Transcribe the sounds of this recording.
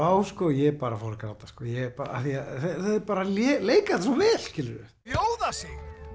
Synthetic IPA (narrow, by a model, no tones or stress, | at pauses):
aːwskɔjɛpaːɾafɔɾɪɾkɾawt̪askɔːjɛpaa̰θiaθɛθɛðɛɾpaːɾalɛːleːjkaðsɔmvɛːl̥scɪlʏɾʏ̰ | joːwðasɛɣ